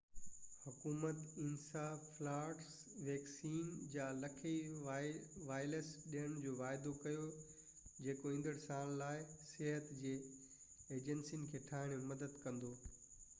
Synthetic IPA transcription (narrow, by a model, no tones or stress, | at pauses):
hʊkuːmət̪ɪnsaːflaːʈs | ʋɛːksiːnd͡ʑaːlɐkʰi | ʋaːɪləsɗiəɽ̃d͡ʑoːʋaːɪd̪okɐjo | d͡ʑeːkoĩːn̆d̪əɽsaːɽ̃laːɪsɛɦət̪d͡ʑeː | eːd͡ʑənsinɪ̆kʰeːʈʰaːɦɪɽ̃emɐd̪əd̪kɐ̃nd̪oː